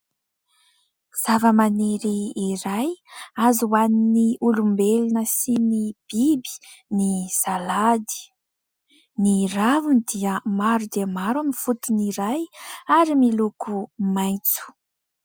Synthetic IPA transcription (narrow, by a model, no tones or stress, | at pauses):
z̥avəmaneɾiːɾajazuwaniniulumbelinəsinib̥ibi̥ | niz̥alad̪i̥ | niravunid̪iəmaɾud̪eəmaɾamifut̪uniɾajaɾimilukumajnt͡su̥